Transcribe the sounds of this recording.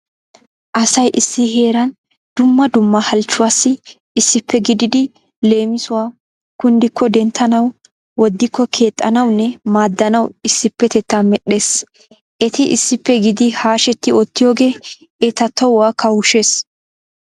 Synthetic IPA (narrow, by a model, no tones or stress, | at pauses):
ʔɐsɐjʔɪsːɪhe̞ːɾɐn | d̪̥ʊmːɐd̪ʊmːɐhɐlt͡ʃːʊwaːsːɪː | sːɪpːɛɡɪd̪ɪd̪ɪ | le̞ːmɪsʊwaː | kʊnd̪ɪkʰːɔd̪ɛnt̪ʰːɐnɐw | wɔd̪ːɪkːɔkʰeːt̪ʼːɐnɐwnːɛmaːd̪ːɐnɐwɪsːɪpːɛt̪ɛt̪ːaːmɛɗe̞ːs | ʔɛt̪ɪʔɪsːɪpːɛɡɪd̪ɪhaːʃɛt̪ːɪɔt̪ːɪjo̞ːɡe̞ː | ɛt̪ɐt̪ːɔwʊwaːkʰɐwʊʃe̞ːs